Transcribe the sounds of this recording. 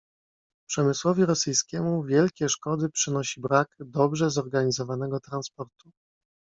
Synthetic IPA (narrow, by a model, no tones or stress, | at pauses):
pʂɛmɘswɔvʲiɾɔsɘjskʲɛmuvʲjɛlkʲɛʂkɔd̪ɘpʂɘnɔɕibɾakd̪ɔbʐɛzɔɾɡaɲizɔvanɛɡɔt̪ɾanspɔɾt̪u